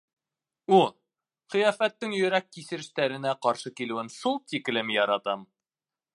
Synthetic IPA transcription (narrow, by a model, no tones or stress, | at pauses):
u | χɤ̆jɑfæt̪ːɘŋjɵ̆ɾækːisɘ̆ɾɘ̆ʃt̪æɾɘ̆næqɑɾʃɤkilɘ̆wɘnʃulˠt̪ik̆lɘmjɑɾɑt̪ɑm